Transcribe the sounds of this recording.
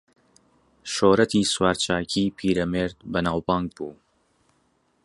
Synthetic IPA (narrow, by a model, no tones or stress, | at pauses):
ʃoːɾɐt̪ʰiːswaːɾt͡ʃaːkʰiːpʰiːɾɐmeːɾd̪̚bɐnaːwbaːŋɡ̚buː